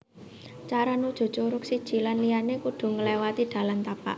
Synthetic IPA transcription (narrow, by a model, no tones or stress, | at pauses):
t͡ʃaɾanud̥ʒ̥o̤̥t͡ʃuɾʊk̚sid̥ʒ̥i̤lanlijanekuɖ̪̥ṳŋəlewat̪iɖ̪̥a̤lant̪apa̰ʔ